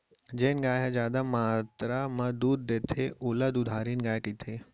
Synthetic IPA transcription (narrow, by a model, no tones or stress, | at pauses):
d͡ʒeːnɡaːɦezjaːd̪amaːt̪ɾamɐd̪uːd̪̚d̪eːt̪ʰeʊːlɐd̪ʊd̪ʱaːɾiːnɡaːkiːt̪ʰeː